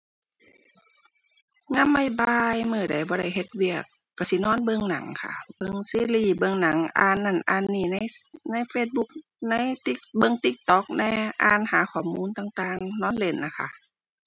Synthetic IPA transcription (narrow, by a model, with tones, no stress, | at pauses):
ŋa˧˥˨mːa˧˩˨jbaː˧jmɯː˧˩da˨˩jbɔː˧˦ɾa˧˩jɦe˧˦t̪̚wi˧˩˨əkːa˧˩si˧˦nɔː˧˥˨nbɤ˧ŋna˨˦ŋkʰa̰˧˩bɤ˧ŋsiː˧˥˨liː˧˩bɤ˧ŋna˨˩˦ŋʔa̰ː˧nːa˧˥˩nʔaː˧nːiː˧˩na˧˥˨jna˧˥˨jfeː˧˩t̪̚bu˧˦k̚ | na˧˥˨jt̪i˧bɤ˧˨ŋt̪i˧˦k̚t̪ɔː˧˦k̚nɛː˧˩ʔa̰ː˧˩nhaː˨˦kʰɔː˧˩muː˧˨nt̪aː˧˩ŋt̪aː˧ŋnɔː˧˥˨nle˧˩nːa˧˩kʰa˧˨ʔ